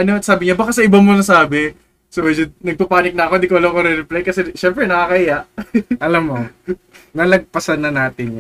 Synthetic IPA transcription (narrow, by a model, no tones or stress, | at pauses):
ʔɐnoɐt̪̚saːbɪɲabakasɐʔɪbɐmonɐsaːbɛ | soɐd͡ʒʊd̪̚nɐɡ̚pɐpaːnɪk̚nɐʔɐkod̪ikoʔɐlokoɾɛɾɛplajkɐsɛʃɛmpɾɛnɐkakɐʔɪjaʔʔɐlɐmːo | nɐlɐɡ̚pɐsɐnːɐnaːt̪ɪɲ